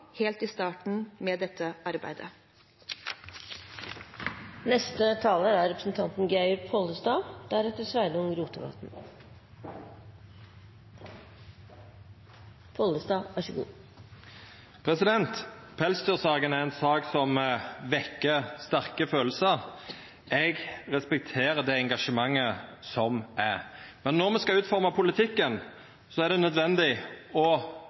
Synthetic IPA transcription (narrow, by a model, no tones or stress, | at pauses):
heːlt̪iːst̪ɑːʈɳ̩meːd̪ɛt̪ʰːəʔɑɾbæ̰ɪd̪ə̰ | nɛst̪ət̪ʰɑːləɾæɾɛpɾəsn̩t̪ʰɑnt̪n̩ɡæɪʊɾpʰɔləsd̪ɑːd̪̥æɾɛt̪ːəsʋæɪd̪ɔŋɾuːt̪əʋɑ̰t̪n̩ | pʰɔldəsd̪ɑːæʃəɡṵː | pʰʁɛsɪd̪ɛnt̪pʰɛlsd̪yːʁsɑːɡənæʁɛnsɑːksɔmʋɛkːəst̪æʁkəføːlsə | ɛɡʁɛspɛk̚t̪ʰeːʁəd̪ɛɛŋɡɑʂəmɑŋːəsɔmæʁmɛnːɔʁmɛskɑʉːt̪fɔʁmɑpʰʊlɪt̪ʰɪkːən | sɔæʁd̪ɛnœd̪ʋɛnd̪ɪɔ